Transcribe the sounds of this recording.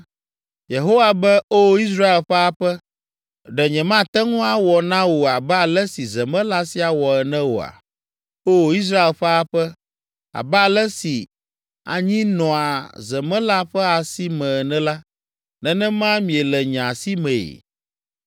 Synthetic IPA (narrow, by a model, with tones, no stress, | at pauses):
je˨ɦo˦wa˨bɛ˦o˦i˦s̬ɾa˦e˨lɸɛ˦a˦ɸɛ˦ | ɖɛ˨ɲɛ̃˨mã˦t̪ɛ˦ŋũ˦a˦wɔ˨nã˦wo˨a˨bɛ˦a˨lɛ˦si˨zɛ˨mɛ̃˦la˦si˦a˨wɔ˨ɛ˨nɛ̃˦wo̰˨a̰˨ | o˦˨i˦s̬ɾa˦e˨lɸɛ˦a˦ɸɛ˦ | a̰˨bɛ˦a˦˨lɛ˦si˨ | a̰˨ɲĩ˦nɔ̃˨a˨zɛ˨mɛ̃˦la˦ɸɛ˦a˨si˦mɛ̃˨nɛ̃˦la˦ | nɛ̃˦˨nɛ̃˦mã˦mĩ˨ɛ˨lɛ˨ɲã˨si˦mɛ̃˨ḛ˨